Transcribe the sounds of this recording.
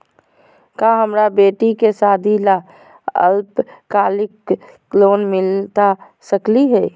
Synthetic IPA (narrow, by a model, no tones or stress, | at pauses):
kaːɦəmɾabeːʈikesaːd̪ʱila | ə̰lpkaːlɪkː | loːnmɪlt̪a | səkliɦɛː